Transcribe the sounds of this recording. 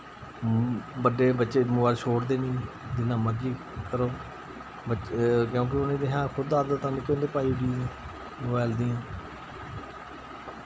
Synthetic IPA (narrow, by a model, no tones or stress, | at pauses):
bəɖeːbətːʃeːmʊʋaːlʃʰoːɽd̪eːniː | d̪ɪnãːməɾiː | kəɾoː | bəkjõːk̬ɪʊnẽːd̪eːɦãːkʰʊd̪aːd̪ət̪ãːnɪkːõːnd̪eːpaːiɖiːẽː | ʋɛːld̪iːãː